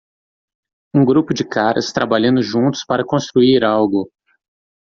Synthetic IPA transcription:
ũɡɾupʊd͡ʒɪkaɾɐ̰st̪ɾabaʎɐ̃nd̪ʊʒũnt̪ʊ̥spaɾɐkõst̪ɾuiɾawɡʊ

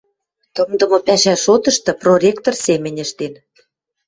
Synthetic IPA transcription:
t̪ɤ̆md̪ɤ̆mɤ̆pæʃæʃot̪ɤ̆ʃt̪ɤ̆proɾʲekt̪orsemʲɘ̆nʲɘ̆ʃt̪en

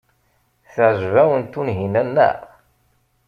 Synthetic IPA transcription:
θəʕʒvæwənt̪ːunɦinænːə̰ʁ

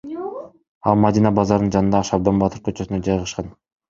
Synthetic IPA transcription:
ɑ̰lˠmad̪inɑbɑzɑɾd̪ɯnd͡ʒɑnɯnd̪ɑːʃɑb̚d̪ɑnbɑt̪ɯɾkʰøt͡ʃøsynød͡ʒɑjʁɑʃqɑn

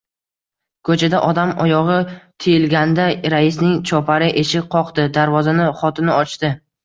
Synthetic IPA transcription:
kʰɵt͡ʃʰad̪aʔɒd̪amɒjɒʁɨt̪ʰejɪlɡʲand̪aɾaɪs̬nɪŋt͡ʃʰɒpʰaɾɪʔeʃɪqʰɒqd̪ɪd̪aɾvɒzanɪχɒt̪ʰɪnɪɒt͡ʃt̪ɪ

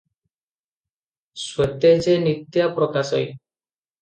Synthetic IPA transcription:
swɔt̪ed͡ʒenit̪japɾɔkasɔj

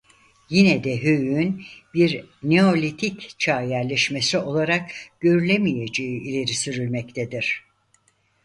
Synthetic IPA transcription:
jinɛd̪ɛɦøjyynbiɾneo̞lʲit̪ʰict͡ʃʰaːjæɾlʲeʃmesio̞lˠaɾakɟ̥ø̞ɾylʲemije̞d͡ʒe̞iilʲe̞ɾisyɾylʲmɛct̪ʰed̪iɾ̥

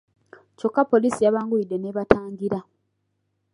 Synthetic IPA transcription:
co̞kːapːo̞liːsijaβaːŋɡuide̞ne̞ːβataːŋɡiɾa

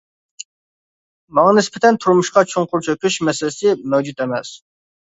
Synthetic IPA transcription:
mɑŋɑnɪspɛt̪ʰɛnt̪ʰuɾmuʃqɑt͡ʃʰoŋqʊɾt͡ʃʰøkʲyʃmɛsɪlɪsɪmɛwd͡ʒut̪emɛs

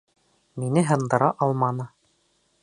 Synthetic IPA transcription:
minɘɦɤ̆nd̪ɤ̆ɾɑʔɑlˠmɑnɤ

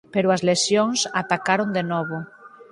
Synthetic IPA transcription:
peɾoazlesjoŋsat̪akaɾond̪enɔβo

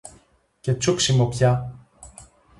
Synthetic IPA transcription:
cet͡suksimopçɐ

